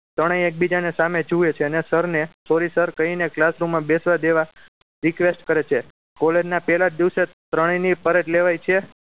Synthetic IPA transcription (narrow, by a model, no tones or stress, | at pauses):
t̪əɽ̃ẽjek̚bid͡ʒanesamed͡ʒuet͡ʃʰeənesəɾnesoɾisəɾkəineklasɾumːãbesʋad̪eʋa | ɾikʋesʈkəɾet͡ʃʰe | koled͡ʒnapɛlad͡ʒd̪iʋset̪ɾəɽ̃inipəɾəʈleʋajt͡ʃʰe